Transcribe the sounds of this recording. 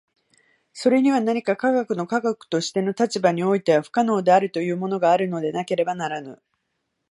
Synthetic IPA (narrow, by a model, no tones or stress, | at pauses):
so̞ɾe̞ɲ̟iβ̞anaɲ̟ikakaɡakɯ̟no̞kaɡakɯ̥t̪o̞ɕi̥t̪e̞no̞t̪at͡ɕibaɲ̟io̞it̪e̞βaɸɯ̟̥kano̞ːd̪e̞aɾɯ̟t̪o̞jɯ̟ːmo̞no̞ɡaːɾɯ̟no̞d̪e̞nake̞ɾe̞banaɾanɯ̰